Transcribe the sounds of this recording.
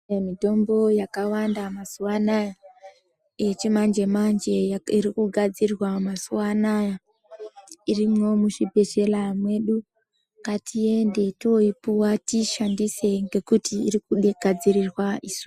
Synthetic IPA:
mito̞mbo̞jakawandamasuwanaja | jet͡ʃimand͡ʒe̞mand͡ʒe̞irikuɡʱad͡zirwamasuwanaja | irimwo̞muʃibʱe̞ʃe̞lamwe̞ɗu | katʰie̞nde̞toipuwatiʃandise̞ŋɡe̞kutḭːrikuɗeɡ̥ʱad͡zirirwaʔiso̥

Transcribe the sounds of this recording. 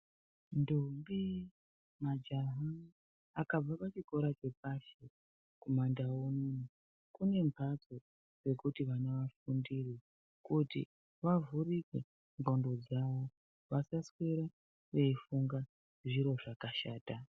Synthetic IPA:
ndombi | mad͡ʒaɦa | akab͡vapat͡ʃiko̞ɾat͡ʃe̞paʃe | komandawonono | kune̞mpad͡zo | re̞kutiʋaneʋafundiri | kutḭ | ʋavurike | mbʱondo̞d͡zaʋo̞ | ʋasasweɾa | ʋe̞ifuŋɡa | ʐiɾo̞ʐakaʃaːta

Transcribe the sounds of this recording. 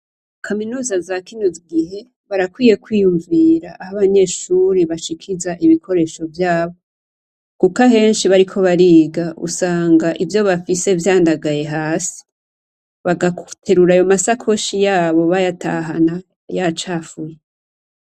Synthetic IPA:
kʰaminuːzazakiɲoziɡiɦe̞ | βaɾakwiːje̞kwiːjuɱviːɾaʔahaβaɲe̞ːʃuɾiβaʃikʰizaʔiβikʰo̞ɾe̞ːʃo̞vjaːβo̞ | kukaɦe̞ːnʃiβaɾikʰo̞βaɾiːɡaṵsaːŋɡaʔivjo̞βafise̞vjaːndaɡaje̞ɦaːsi̥ | βaɡakutʰeɾuɾajo̞masakʰo̞ʃijaːβo̞βajatʰa̰ɦana | jat͡ʃafuje

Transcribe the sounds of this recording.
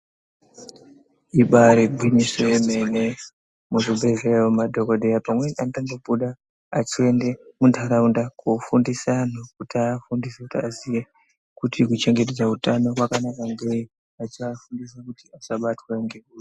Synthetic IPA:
iɓaɾebʱwimisojeme̞ne | muʐibʱezejomadʱo̞koɗejapamwenantaŋɡobuɗa | at͡ʃie̞ndemundʱaɾaundakufundisanok̚utafundisekutiazije | kutʰikut͡ʃe̞ŋɡe̞t̬ed͡zautano̞kwakanakaŋɡei | at͡ʃafundisakutiasaɓatwaeŋɡekua

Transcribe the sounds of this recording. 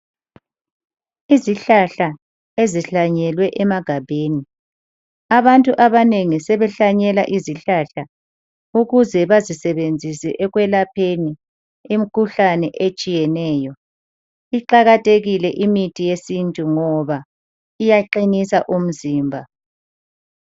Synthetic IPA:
iziɬaɬa | eziɬaɲɛlwɛʔɛmaɡ̥ʱabʱeːni | aβantʼuʔaβaneŋisɛβɛɬaɲɛlaʔiziɬaɬa | uɣuzɛβazisɛβend͡zʱisɛʔɛɣwɛlapʰeni | imikʰuɬanɛʔet͡ʃʼijɛnɛːjɔ | iǃaɣatʼeɣilɛʔimitʼijesintʼuŋɔβa | ijaǃinisaʔum̩ziːmbʱa

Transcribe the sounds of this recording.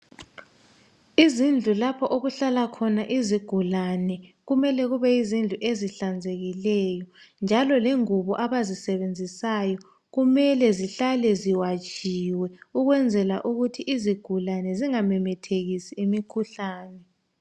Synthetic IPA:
izind͡ɮʱulapʰɔʔoɣuɬalakʰɔnaʔiziɡ̥ʱulanɛɣumɛlɛɣuβɛizind͡ɮʱuʔeziɬand͡zʱeɣilɛjɔ | nd͡ʒʱalɔleŋuβɔʔaβazisɛβend͡zʱisajɔ | ɣumɛlɛziɬalɛziwat͡ʃʼiwɛuɣwɛnd͡zʱɛlaʔuɣutʰiʔiziɡ̥ʱulanɛziŋamɛmɛtʰeɣisiːmikʰuɬaːnɛ

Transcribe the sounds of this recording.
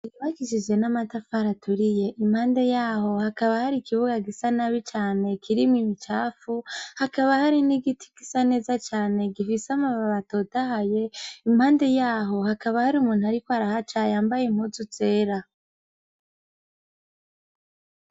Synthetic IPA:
juβakiʃid͡ʒɡe̞namatafaɾatʰuɾije̞ʔimhaːnde̞jaːho̞hakaβahaɾikiβuɡaɡisanaβit͡ʃaːne̞kʰiɾimimit͡ʃaːfuhakaβahaɾiniɡitʰi̥kisane̞ːzat͡ʃaːne̞ɡifisamaβaβato̞taɦaje̞imhaːnde̞jaːɦo̞hakaβahaɾiumuːnuaɾikoaɾahat͡ʃajaːmbajem̥huzut͡se̞ːɾa

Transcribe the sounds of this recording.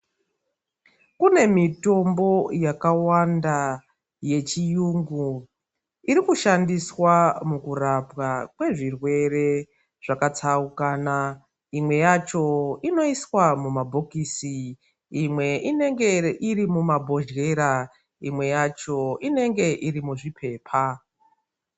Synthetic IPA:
kune̞mito̞mbo̞jakawanda | je̞t͡ʃijuŋɡu | iɾikuʃandiswamukurapɣakwe̞ʐirwe̞ɾe̞ | ʐ̥akat͡saukaːna | imwe̞jat͡ʃo̞ino̞iswamumabʱokisi | imwe̞ine̞ŋɡe̞ʔiɾimumabʱo̞ʒɣe̞ɾa | imwe̞jat͡ʃo̞ine̞ŋɡe̞ʔiɾimuʐipʰe̞ːpʰa

